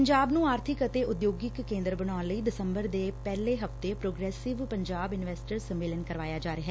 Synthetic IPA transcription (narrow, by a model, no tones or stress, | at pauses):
əɲd͡ʒaːbnũːaːɾt̪ʰɪkət̪eːʊd̪joːɡɪkːẽːnd̪ɾəbəñaːnləiːd̪ɪsəmbəɾd̪eːpɛːleːɦəft̪eːpɾoːɡɾɛːsɪʋpəɲd͡ʒaːbɪnʋɛːsʈəɾsəmːeːlənkəɾʋaːjaːd͡ʒaːɾeɦɛ